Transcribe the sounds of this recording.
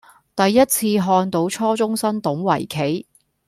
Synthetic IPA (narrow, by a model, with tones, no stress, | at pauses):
t̪ɐ˨jːɐ˥t̚t͡sʰiː˧ɦɔː˧nt̪o˨˥wt͡sʰɔː˥t͡sʊ˥ŋsɐ˥nt̪ʊ˨˥ŋwɐ̰˨˩jkʰe˨˥j